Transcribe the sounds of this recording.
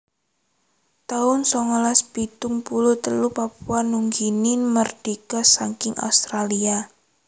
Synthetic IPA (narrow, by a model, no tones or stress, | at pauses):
t̪aʊnsɔŋəlasb̥it̪ʊŋpulut̪əlupap̚uanuŋɡinimərd̥ikasaŋkɪŋʔa̰ust̪ɾalia